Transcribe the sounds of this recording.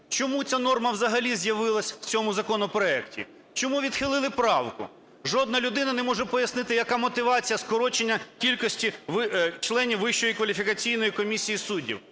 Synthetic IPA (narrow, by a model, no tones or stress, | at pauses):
t͡ʃɔmut͡sʲanɔrmɐwzɐɦɐlʲizʲjɐʋɪlˠɐsʲw̥t͡sʲɔmʊzɐkɔnɔpɾɔɛktʲḭ | t͡ʃɔmuʋʲid̪xɪlˠɪlˠɪpɾɑwkʊ̰ | ʒɔd̪̚nɐlʲʊd̪ɪnɐnɛmɔʒɛpɔjɐsnɪt̪ɪjɐkɑmɔt̪ɪʋɑt͡sʲijɐskɔɾɔt͡ʃenʲːɐkʲilʲkɔsʲtʲiʋt͡ʃlˠɛnʲiwːɪʃt͡ʃɔjikʋɐlʲifʲikɐt͡sʲijnɔjikɔmʲisʲijisudʲːḭw